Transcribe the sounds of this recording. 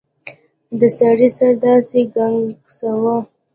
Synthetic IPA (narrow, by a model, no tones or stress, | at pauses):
d̪əsɑɾisaɾd̪ɑseɡaŋɡsawa